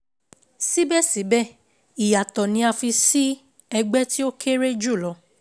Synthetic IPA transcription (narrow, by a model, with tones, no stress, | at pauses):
si˦bɛ˦˨si˨˦bɛ˦˨ | i˨ja˨tɔ˨nĩ˧a˧fi˧si˦ | ɛ˧ɡ͡bɛ˦ti˦o˦kʰe˦ɾe˦d͡ʒu˦˨lɔ˨˦